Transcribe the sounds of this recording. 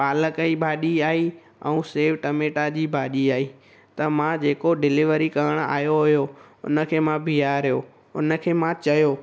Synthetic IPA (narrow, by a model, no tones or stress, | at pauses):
paːləkəibʱaːɗiaːi | ɛ̰ũːseːʋʈɐmeːʈad͡ʑiːbʱaːɗiaːi | t̪ɐmãd͡ʑeːkoɖɪlɪʋəɾikɐəɽ̃a̰ːjoɦʊjoʊ̰nə̆kʰeːmãbʱijaːɾijoː | ʊnə̆kʰeːmãt͡ɕɐjoː